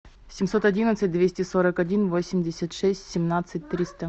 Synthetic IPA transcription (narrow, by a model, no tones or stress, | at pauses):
sʲɪmso̞t̪ɐdʲinət̪sɨt̚ʲd̪vʲesʲtʲɪsoɾəkɐdʲinvosʲɪmʲdʲɪsʲət̪ʂɛsʲtʲsʲɪmnat̪sɨt̚ʲt̪ɾʲist̪ə